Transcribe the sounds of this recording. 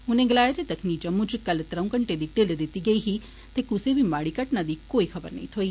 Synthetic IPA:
unẽɡlaːjat̪et̪əkʰnid͡ʒɐmːut͡ʃkɐlt̪ɾə̃w̃kəɳʈed̪iʈeld̪ɪt̪iɡəiɦi | t̪ekusebʱimaːɽikəʈnad̪ikoːixʰɐbəɾnɐ̰ɦĩt̪ʰoi

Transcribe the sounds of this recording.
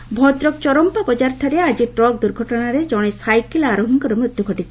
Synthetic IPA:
bʱɔt̪ɾɔk̚t͡ʃɔɾɔmpabɔd͡ʒaɾʈ̪ʰaɾead͡ʒiʈɾɔk̚d̪uɾɡʱɔʈɔnaɾed͡ʒɔɽ̃esajkilaɾoɦiŋkɔɾemɾut̪juɡʱɔʈit͡ʃʰi

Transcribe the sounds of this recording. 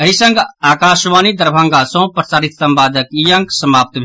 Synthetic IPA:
ɐɦisɐ̃ŋɡaːkaːʃʋaːnid̪ɐɾbʱãːŋɡaːsõːpɾəsaːɾit̪sɐ̃mbaːd̪ʱəkijɐ̃ŋksɐmaːp̚t̪bʱ

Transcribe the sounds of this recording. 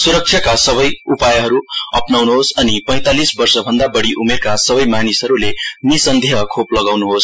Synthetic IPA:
suɾʌk̚t͡ʃʰjakasʌβʌjupajʌɦʌɾuʌpnawnuɦosʌnipʌj̃t̪alisbʌrsʌbʱʌnd̪abʌɽiʔumerkasʌbʌjmanisɦʌɾulenisʌnd̪ʱjeɦʌkʰoplʌɡawnuɦos

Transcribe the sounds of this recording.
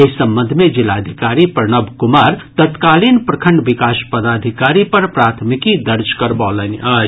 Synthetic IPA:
esɐmbə̃nd̪ʱmẽd͡ʒɪlad̪ʱikaːɾipəɾnəbʱkʊmaːɾt̪ət̪kaːlinpɾɐkʰə̃ɳɖʋɪkaːʃpəd̪aːd̪ʱikaːɾipɐɾpɾaːt̪ʰmikid̪əɾd͡ʒkəɾbɔːləniɐː

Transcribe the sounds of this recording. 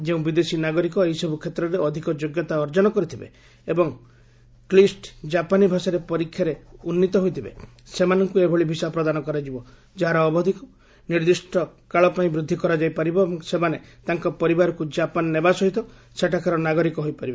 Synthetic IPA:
d͡ʒeũbid̪esinaɡɔɾikɔejsɔbʱukʰet̪ɾɔɾeɔd̪ʱikɔd͡ʒoɡjɔt̪aɔɾd͡ʒɔnɔkɔɾit̪ʰibḛ | ebɔŋ | klisʈd͡ʒapanibʱasaɾepɔɾikʰːjaɾeunːit̪ɔɦojt̪ʰibḛ | semanɔŋkuebʱɔɭibʱisapɾɔd̪anɔkɔɾad͡ʒibɔ | d͡ʒaɦaɾɔːbɔd̪ʱikɔ | niɾd̪isʈʰɔkaɭɔpaĩbɾud̪ʱːikɔɾad͡ʒajpaɾibɔebɔŋsemanet̪aŋkɔpɔɾibaɾɔkud͡ʒapanːebasɔɦit̪ɔ | seʈʰakʰaɾɔnaɡɔɾikɔɦojpaɾibe

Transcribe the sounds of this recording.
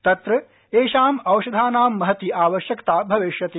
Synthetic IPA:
t̪ɐt̪ɾɐ | eːʃaːmɐwʃɐd̪ʱaːnaːmːɐɦɐt̪iʔaːʋɐʃjɐkt̪aːbʱɐʋeʃjɐt̪eː

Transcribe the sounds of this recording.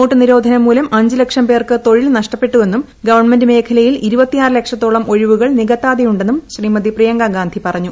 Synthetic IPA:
noːʈːɨniɾo̞ːd̪ʱɐnɐmːuːlɐmʔɐɲd͡ʑɨlekʂɐmpe̞ːrkɨt̪o̞ɻilnɐʂʈɐpːe̞ʈːuʋe̞nːum | ɡɐʋɐrɳme̞ndɨme̞ːkʰɐlɐjiliɾubɐt̪ːijaːrɨle̞kʂɐt̪ːoːɭɐmʔo̞ɻiʋuɣɐɭniɣɐt̪ːaːd̪ɐjuɳɖe̞nːumɕriːmɐd̪iprijɐŋɡaɡaːnd̪ʱipɐrɐɲːu

